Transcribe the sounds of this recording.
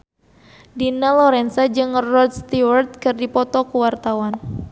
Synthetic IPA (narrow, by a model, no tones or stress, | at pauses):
dinalɔɾɛnsad͡ʒɨŋrɔd̪̚st̪iwart̪̚kɨrdipɔt̪ɔkuwart̪awan